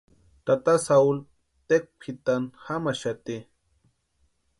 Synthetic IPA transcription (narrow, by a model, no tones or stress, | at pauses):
t̪at̪asaul | t̪ek̚pʰit̪anhamaʃat̪i